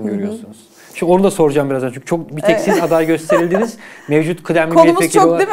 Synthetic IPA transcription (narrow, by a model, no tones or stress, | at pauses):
ɟøɾyjo̞sunuz̥ | iʃo̞nud̪aso̞ɾud͡ʒaːmbiɾazant͡ʃʰyɲcʰy̥t͡ʃʰok̚bit̪ʰɛcsizad̪ajɟø̞st̪ʰe̞ɾilʲd̪iniz̥mevd͡ʒut̪kʰɯd̪æmʲiieio